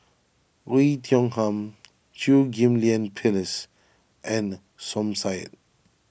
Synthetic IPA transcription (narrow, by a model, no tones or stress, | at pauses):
ɹitʰjɔ̃ŋhãm | tʰuɡĩmliə̃npʰiləs | ʔɛ̃n | sɔ̃msaɪt̚